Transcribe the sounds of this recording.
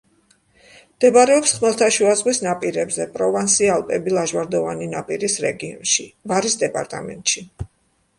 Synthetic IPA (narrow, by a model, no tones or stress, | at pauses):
md̪̥ɛbaɾɛɔpsχmɛlˠt̪ʰaʃuazʁwisnapʼiɾɛbzɛpʼɾɔvansialˠpʼɛbilˠaʒwaɾd̪ɔvaninapʼiɾisɾɛɡiɔ̰nʃivaɾisd̪ɛpʼa̰ɾt̪ʼa̰mɛ̰nt̪ʼʃi